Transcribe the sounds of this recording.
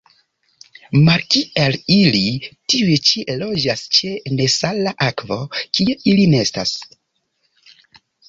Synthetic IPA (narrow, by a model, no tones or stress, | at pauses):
maɾkialilitiujt͡ʃilo̞d͡ʒast͡ʃe̞ne̞salaʔakvokieilineestas